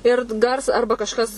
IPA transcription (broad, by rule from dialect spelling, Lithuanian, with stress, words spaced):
ˈɪr t ˈɡɐrs ˈɐrbɐ kɐʃˈkɐs